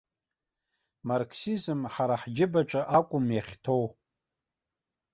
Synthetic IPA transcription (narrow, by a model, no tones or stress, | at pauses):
markʰsizɨmħaɾaħd͡ʒɪbaʈ͡ʂʼaʔakʷʼʊmjaχʲtʰo̞w